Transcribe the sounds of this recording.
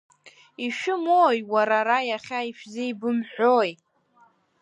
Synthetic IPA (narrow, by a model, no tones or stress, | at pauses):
iʃᶣʊmoːjwaɾaɾajaχʲaiʃᶣzeibɨmħʷᶣoj